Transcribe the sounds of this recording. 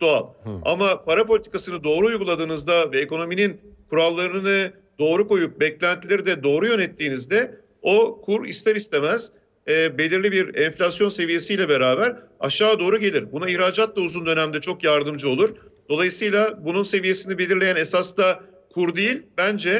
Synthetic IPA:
d̪̥oa̰lˠa̰mapʰaɾapo̞lʲit̪ʰi̥kasɯnɯd̪o̞ːɾuujɡulˠad̪ɯːnɯzd̪avɛeko̞no̞mininkʰuɾalˠːaɾɯnɯnɯ | d̪̥o̞ːɾuko̞jup̚bɛclʲænt̪ʰilʲeɾid̪ɛd̪o̞ːɾujø̞nɛt̪ʰːiːnizd̪ɛ | o̞kʰuɾḭst̪ʰɛɾist̪ʰe̞mɛz̥ː | be̞lʲiɾlʲibiɾɛnflʲasjo̞nse̞vije̞sijlʲɛbe̞ɾaːbæɾa̰ʃaːd̪o̞ːɾuɟe̞lʲiɾbunaiçɾaːd͡ʒat̪lˠauzund̪ø̞næmd̪ɛt͡ʃʰo̞kjaɾd̪ɯmd͡ʒɯo̞lˠuɾd̪̥o̞lˠajɯsɯjlˠabununse̞vije̞sinibe̞lʲiɾlʲejænesasd̪a | kʰuɾd̪ijilʲbænd͡ʒɛ

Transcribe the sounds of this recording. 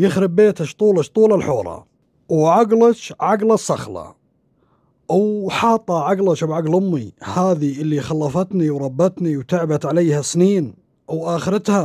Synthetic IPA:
jɪxɾɪbːeːt̪aʃt̪ˤuːlaʃt̪ˤuːlalħoːɾˤɑ̰ | wʕaɡlat͡ʃʕaɡlasˤːɑ̰xlɑ̰ | wħɑːt̪ˤːɑʕaɡlaʃabʕaɡlʊmːihaːðiʔɪlːixɑlːɑfɑt̪niwɾˤɑbːat̪niwt̪aʕbat̪ʕalajːhasniːn | ʔawʔaːxɪɾɪt̪ha

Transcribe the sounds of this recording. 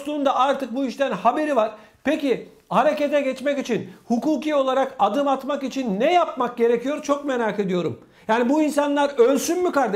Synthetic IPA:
slˠuːnd̪aʔaɾt̪ʰɯk̚buiʃt̪ʰænhabe̞ɾivaɾ̥ | peci | haɾe̞ce̞t̪ɛɟɛt͡ʃmɛkit͡ʃʰinhukuːcio̞lˠaɾakad̪ɯmat̪makit͡ʃʰinːɛjapmak̚ɟe̞ɾe̞cijo̞ɾt͡ʃʰo̞kme̞ɾaːke̞d̪ijo̞ɾṵm | jaːnibuinsanlˠaɾølʲsynmykaɾd̪

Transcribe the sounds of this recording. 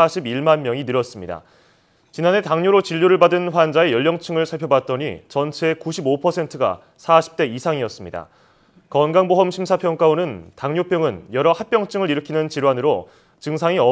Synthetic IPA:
aɕʰibiɭmanmjʌŋinɯɾʌs͈ɯmɲida̰ | t͡ɕinanɦe̞taŋɲoɾot͡ɕiʎːoɾɯɭbadɯnɸwand͡ʑae̞jʌʎːjʌŋt͡ɕʰɯŋɯɭsʰaɭpʰjobat̚t͈ʌɲḭt͡ɕʌnt͡ɕʰe̞kuɕʰibopʰʌsʰe̞ntʰɯɡa̰ | sʰaɕʰi̥p̚t͈e̞isʰaŋiʌs͈ɯmɲida̰ | kʌnɡaŋboɦʌmɕʰimsʰapʰjʌŋk͈aonɯntaŋɲopʰjʌŋɯnjʌɾʌhak̚p͈jʌŋt͡ɕʰɯŋɯɾiɾɯkʰinɯnt͡ɕiɾwanɯɾo | t͡ɕɯŋsʰaŋiʌ

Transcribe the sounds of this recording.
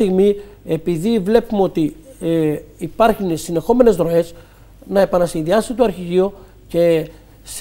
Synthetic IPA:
iɣmie̞piðivle̞pumeo̞t̪i | pɐɾçunsine̞xo̞me̞ne̞zɾo̞e̞s | nɐe̞pɐnɐsinðiɐsit̪oɐɾçiʝio̞ | ce̞ | s

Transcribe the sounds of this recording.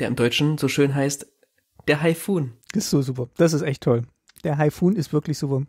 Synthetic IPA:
d̥eːɐʔɪmdɔʏt͡ʃn̩zoːʃøːnɦaɪst | d̥eːɐɦaɪfuːnʔɪstz̥oːzuːpɐd̥as̬ɪstʔɛçtʰɔl | d̥eːɐɦaɪfuːnɪstv̥ɪɐklɪçz̥uːpɐ

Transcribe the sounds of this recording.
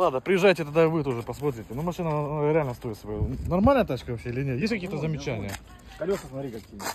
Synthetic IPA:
lˠad̪nəpɾʲɪjɪʐːajtʲɪt̪ɐd̪aɪvɨt̪oʐɨpɐsmot̪̬ɾʲɪtʲɪnumɐʂɨnəɾʲɪalʲnəst̪o̞ɪt̪sɐbojnɐrmalʲnəjət̪at͡ɕkəvɐfɕʲeɪlʲɪnʲet̪jesʲtʲkɐkʲijət̪əzəmʲɪt͡ɕænʲɪjə | kɐlʲosəsmɐt̪ɾʲikɐkʲij

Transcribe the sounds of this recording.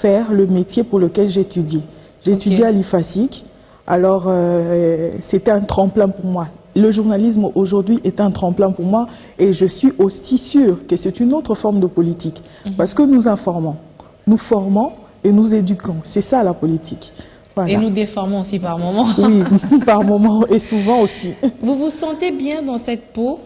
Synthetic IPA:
fɛʁləmet̪jepuʁləkʲɛlʒet̪yd̪je | ʒet̪yd̪jealifasik | a̰lɔʁø | set̪ɛ̃t̪χɑ̃plɛ̃puʁmwa | ləʒuʁnalis̬moʒuʁd̪ɥiʔɛt̪ɛ̃t̪χɑ̃plɛ̃puʁmwa | eʒəsɥiʔosisyːʁkəsɛt̪ynot̪χəfɔʁmd̪əpɔlit̪ik | paʁsə̥kənuzɛ̃fɔʁmɑ̃ | nufɔʁmɑ̃ | enuzed̪ykɑ̃sɛsalapɔlit̪ʰik | vwalenud̪efɔʁmɔ̃osipaʁmɔmɑ̃wipaʁmɔmɑ̃esuvɑ̃osivuvusɑ̃t̪ebjɛ̃d̪ɑ̃sɛt̪̚po

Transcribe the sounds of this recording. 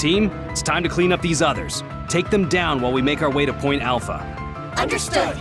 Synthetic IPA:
tʰĩm | ɪtstʰãɪ̃mtɨkʰl̥ĩnʌp̚ðizʌðə̰˞z̥ | tʰeɪk̚ðɨ̃mdãʊ̃nwaɪlˠwimeɪkaʊə˞weɪɾɨpʰɔ̃ɪ̃ntælˠfə̰ | ʌ̃ndə˞stʊd

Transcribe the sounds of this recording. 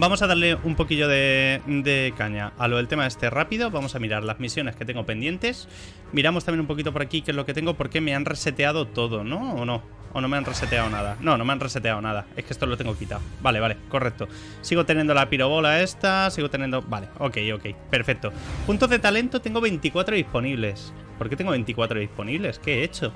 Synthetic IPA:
bamo̞saðaɾle̞umpo̞kiʝo̞ð̞e̞d̪e̞kaɲaaloðet̪e̞mae̞st̪e̞rapiðo̞βamosamiɾaɾlazmisjo̞ne̞sket̪e̞ŋɡo̞pe̞nd̪je̞nt̪e̞s | miɾamot̪amje̞numpo̞kit̪o̞p̬oɾakikezlo̞ke̞t̪e̞ŋɡo̞po̞ɾke̞me̞anre̞se̞t̪e̞að̞o̞t̪o̞ðo̞no̞ːno̞ | ono̞me̞anre̞set̪e̞aonað̞anõ̞nõ̞me̞anre̞set̪e̞aonaðae̞skeest̪olot̪eŋɡo̞kit̪a̰obale̞βale̞ko̞rek̚t̪o̞ | siɣot̪enjend̪o̞lapiɾo̞β̞o̞lae̞st̪asiɣo̞t̪enjend̪o̞bale̞o̞ke̞jo̞ke̞jpe̞ɾfe̞k̚t̪o̞punt̪oðe̞t̪ale̞nt̪o̞t̪e̞ŋɡo̞βe̞nt̪ikwat̪ɾoðispo̞niβle̞s | poɾket̪eŋɡoe̞nt̪ikwat̪ɾoispo̞niβle̞ske̞et͡ʃo̞

